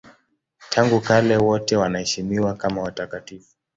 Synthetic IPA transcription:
tʰaŋɡukalɛwɔtɛwanahɛʃimiwakamawatakatifu

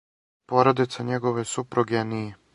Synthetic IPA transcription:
poɾad̪it̪saɲɛɡoʋɛsupɾuɡɛni

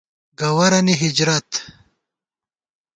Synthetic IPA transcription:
ɡɐwɐɾɐniɦid͡ʑɾɐt̪

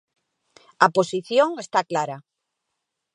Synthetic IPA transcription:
aposiθjoŋest̪aklaɾa

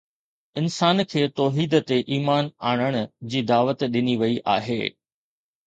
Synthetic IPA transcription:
ɪnsaːnkʰeːt̪ɔːɦiːd̪t̪eʔiːmaːnaːɽ̃əɽ̃ʊd͡ʑiːd̪aːʋət̪ɗɪniʋɐiʔa̰ːɦḛː

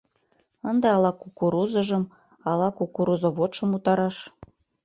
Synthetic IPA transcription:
ənd̪eɑlɑkukuɾuzɤ̆ʒə̆m | ɑlɑkukuɾuzŏβot̪ʃə̆mut̪ɑɾɑʃ

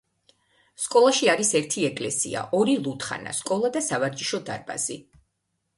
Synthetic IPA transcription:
skʼɔlˠaʃiaɾisɛɾt̪ʰiɛkʼlɛsḭa̰ʔɔɾilˠut̪ʰχa̰na̰skʼɔlˠad̪asavaɾd͡ʒiʃɔd̪a̰ɾba̰zi

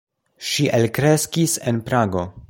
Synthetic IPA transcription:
ʃiʔelkɾe̞skisenpɾaɡo̞

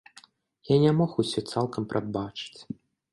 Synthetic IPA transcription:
janʲɛmɔxʊsʲɔt̪sɛlˠkəmpɾʔɐd̪̚bat͡ʃɪ̥tʲ

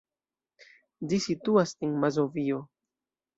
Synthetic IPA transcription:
d͡ʒisituaseŋmazovio

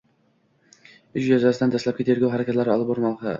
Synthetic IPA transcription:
yʃjæzɑsɪd̪ænd̪æslˠɑpkʲit̪ʰeɾɡʲɑwɦæɾɛkʲʰɛt̪læɾɪɒlˠɨp̚boɾnɑq̪ɨ̰

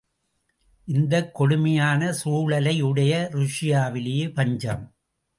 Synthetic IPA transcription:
ʔɪnd̪ɐkːɔɽɯmɐjaːnɐsuːɭɐlɐɪɯɽɐjɐɾʊʂɪjaːʋɪlejepɐɲd͡ʒɐm

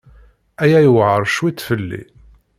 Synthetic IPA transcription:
æjæjəwʕəɾˤʃwit̪ːfəlːḭ

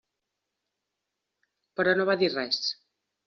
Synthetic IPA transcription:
pəɾɔnoβaðirɛs

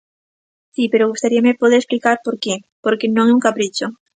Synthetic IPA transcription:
sipeɾoɣust̪aɾiamepoðeɾesplikaɾpoɾke | poɾkenõŋɛuŋkapɾit͡ʃo

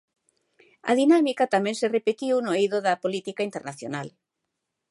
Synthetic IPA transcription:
ɐ̰ðinamikɐt̪amɛ̃ŋserepet̪iwnʊejðʊðɐpolit̪ikaint̪eɾnaθjo̰nal

